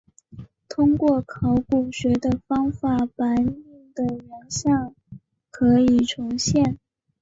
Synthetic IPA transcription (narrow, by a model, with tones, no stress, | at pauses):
t̪ʰʊ˥ŋkwɔ˥˩kʰɑ˧˥ʊku˨˩ɕɥɛ˧˥d̪ə˧fɑ˥ŋfa˨˩pa˧˥nmi˥˩ŋd̪ə˩ɥɑ˧˥ŋɕjɑ˥˩ŋ | kʰɤ˧˥i˨˩ʈ͡ʂʰʊ˧˥ŋɕjɛ˥˩n